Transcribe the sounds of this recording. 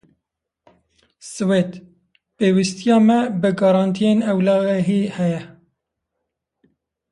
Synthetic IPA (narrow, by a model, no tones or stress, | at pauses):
sɨwet̪ | peːwist̪ijɑːmɛbɨɡɑɾɑːnt̪ʰijeːnɛwlɑːɣɦiːhɛjɛ